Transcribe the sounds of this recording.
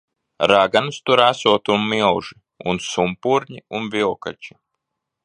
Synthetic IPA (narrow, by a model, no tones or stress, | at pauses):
ɾaɡanst̪uɾasuɔt̪unmilʒi | unsumpuɾɲiunvilka̰t͡ʃi̥